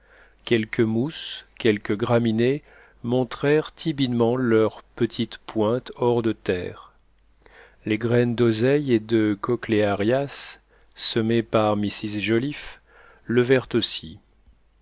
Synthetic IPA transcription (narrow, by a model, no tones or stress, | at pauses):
kʲɛlkʰəmuskʲɛlkʲəɡʁamine | mɔ̃t̪χɛʁt̪ʰibid̪mɑ̃lœʁpət̪ʰit̪pwɛ̃t̪ɔʁd̪ət̪ɛːʁ | leɡʁɛnd̪ozɛjed̪əkɔkleaʁjasː | əmepaʁmisizʒɔlif | ləvɛʁt̪osi